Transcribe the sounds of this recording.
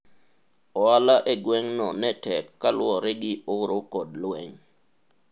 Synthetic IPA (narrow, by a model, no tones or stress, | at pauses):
ɔalaʔeɡwɛŋnɔnɛtɛkːalwɔɾɪɡɪʊɾokɔdlwɛŋ